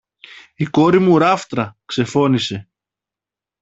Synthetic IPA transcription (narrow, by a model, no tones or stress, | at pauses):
iko̞ɾimuɾɐft̪ɾɐkse̞fo̞nise̞